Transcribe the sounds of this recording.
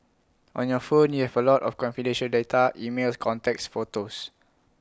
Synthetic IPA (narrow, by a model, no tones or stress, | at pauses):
ʔɔ̃njɔfõnjuhɛvəlɔtɔfkɔ̃nfidɛ̃nʃə̃ldetʰaʔimelskʰɔ̃ntɛk̚sfotos